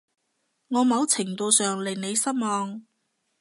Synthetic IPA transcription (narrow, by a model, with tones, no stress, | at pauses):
ŋɔː˨˧mɐ˨˧wt͡sʰɪ˨˩ŋt̪o˧wsœː˨ŋle˨˩ne˨˧jsɐ˥t̚mɔː˨˧ŋ